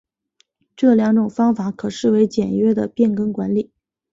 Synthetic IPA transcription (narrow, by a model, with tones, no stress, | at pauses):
ʈ͡ʂɤ˥˩ljɑ˧˥ŋʈ͡ʂʊ˨˩ŋfɑ˥ŋfa˧˥kʰɤ˨˩ʂɻ̩˥˩we˧˥ɪt͡ɕjɛ˨˩nɥɛ˥d̪ə˨pjɛ˥˩nkɤ˥ŋkwa˧˥nli˨˩˦